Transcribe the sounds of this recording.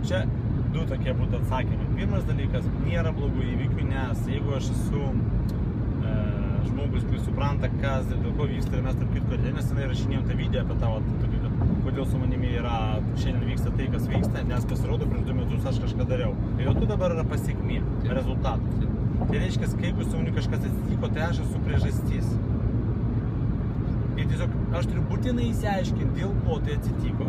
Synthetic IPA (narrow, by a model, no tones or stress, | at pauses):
t͡ʃʲɛ | d̪ʊt̪oːkʲiɛbuːt̪ʊɐt̪sɑːkʲɪmʲɐɪpʲiːrmɐsd̪ɐlʲiːkɐsnʲiɛɾɐblˠoːɡʊiːʋʲikʲʊnʲɛsjɛɪɡʊɐʃɛsʊ | ʒmoːɡʊst̪ɐɪsʊpɾɐnt̪ɐkɐsʲɪd̪ʲeɛlˠkoːjʋiːkst̪ɐmɛst̪ɐɾpkʲiːt̪kɐlʲd͡ʒʲɛnʲɛsjɪnɐɪrɐʃʲɪnʲeːjomt̪ɑːʋʲiːd̪ʲɛjɛɐːpʲɛt̪ɑːʋɐt̪ːt̪oːkʲuːk̪ʲɛpkoːd̪ʲeːlˠsʊmɐnʲɪmʲɪiːɾɐ | ʃʲɛndʲɛnʲʋʲiːkst̪ɐt̪ɐɪkɐsʋʲiːkst̪ɐnʲɛspɐsʲɪɾoːd̪oːpʲɾʲɪnd̪omʲɛt̪ʊsɐʃkɐʃkɑːd̪ɐɾʲɛʊt̪ɐɪjoːt̪ud̪ɐbɐɾɪrɐpɐsʲɛkʲmʲiː | ɾʲɛzʊlˠt̪ɑːt̪ot̪t̪ɐɪɾʲɛɪʃʲkʲɛskɐɪkʊsʲʊmonʲʊkɐʃkɐsɐt̪ʲsʲɪt̪ʲiːkoːt̪ɐɪɑːʃɐsʊpʲɾʲiɛʒɐsʲt̪ʲis | ɪtʲiɛsʲoːkɐʃt̪ʊɾʲʊbuːt̪ʲɪnɐɪɪsʲɪɐɪʃʲkʲɪnt̪d̪ʲeːlˠkoːt̪ɐɪɐt̪ʲsʲɪt̪ʲiːkoː